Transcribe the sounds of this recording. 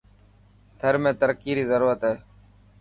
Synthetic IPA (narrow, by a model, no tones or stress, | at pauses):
t̪ʰəɾmẽːt̪əɾkiːɾiːzəɾuːɾət̪ɦeː